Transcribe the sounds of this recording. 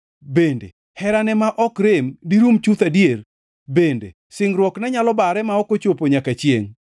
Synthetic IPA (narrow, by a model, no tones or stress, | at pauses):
bendḛ | hɛɾanɛmaʔɔkɾemdiɾumt͡ʃut̪adjer | bendḛ | sɪŋɾwɔknɛɲalɔbaɾɛmaɔkot͡ʃopoɲakat͡ʃjeŋ